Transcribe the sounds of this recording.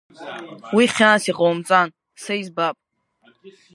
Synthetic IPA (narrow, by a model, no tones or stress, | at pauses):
wiχʲanasiqʼowmt͡sʼan | saizbapʼ